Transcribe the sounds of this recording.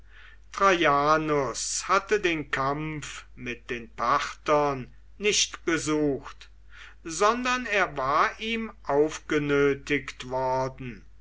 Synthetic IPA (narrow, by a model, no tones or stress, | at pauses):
tʁ̥ajaːnʊshatədeːnkʰamfmɪt̚d̥eːnpʰaʁtɐnː | ɪʃtb̥əzuːxt | zɔndɐneːɐvaːɐʔiːmʔaʊfɡ̥ənøːtɪktv̥ɔɐdn̩